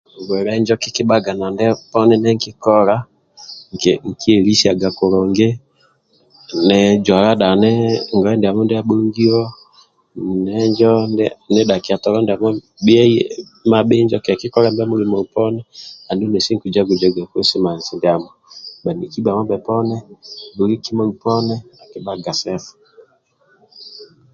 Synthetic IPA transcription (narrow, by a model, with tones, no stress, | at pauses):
ɡwɛ˨ɾɛ˦ɲd͡ʒɔ˦ki˦ki˦ba˦ɡa˨na˨ndɛ˦pɔ˦nɛ˦nɛ˦ŋ˦ki˦kɔ˦ɾa˦ | ŋ˨kŋ̩˨kʰi˦e˨li˦si˦a˨ɡa˨kɔ˨ɾɔ˨ŋɡe˦ | nɛ˨d͡ʒwa˨ɾa˦da˨nɛ˦ŋɡɔ˨ɛ˦ndɛ˨a˨mɔ˦ndɛ˦a˦ɓo˦ŋɡi˦ɔ˦ | nɛ˦ɲd͡ʒɔ˦ndɛ˦nɛ˦da˨ki˨a˨tɔ˨ɾɔ˦ndmɔ˦ | ɓi˦ɛ˦ | ma˨ɓe˦ɲd͡ʒɔ˦ka˨ki˦kɔ˦ɾɛ˦mbɛ˦mu˦ɾi˦mɔ˨u˨pɔ˦nɛ˦a˨ndu˦nɛ˨si˦ŋku˨d͡ʒa˦ɡu˨d͡ʒa˦ɡa˨ke˦si˦ma˨zi˨nda˨mɔ˨ɓa˨ni˨ki˦ba˨mɔ˦bɛ˨pɔ˦nɛ˦bu˨ɾi˦ki˦mɔ˨u˨pɔ˦nɛ˦a˨kɛ˨ba˦ɡa˨sɛ˦fɔ̥˨